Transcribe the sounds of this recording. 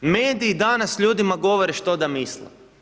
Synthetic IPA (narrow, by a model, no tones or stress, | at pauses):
meːd̪iːd̪anasʎuːd̪imaɡo̞ʋoɾeʃt̪o̞d̪amislḛ